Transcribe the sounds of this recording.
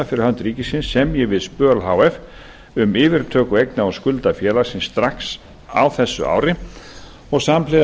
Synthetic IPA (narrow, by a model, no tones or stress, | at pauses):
afɪɾɪɾ̥hœnt̪ɾiːcɪsɪnsːɛmjɛvɪðspœːlɦaːwɛf | ʏmɪːvɪɾt̪ʰœːkʏejknaɔskʏlt̪afjɛːlaɾ̥sɪnsːt̪ɾaks | a̰wθɛsːʏ̰a̰ːwɾɪ | ɔɣsamplɪ